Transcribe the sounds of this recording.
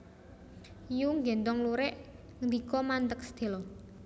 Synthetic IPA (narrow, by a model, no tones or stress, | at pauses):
juŋɡɛnt̪ɔŋluɾɛʔ | nd̪ikɔmant̪ək̚sə̥d̪̥e̤lɔ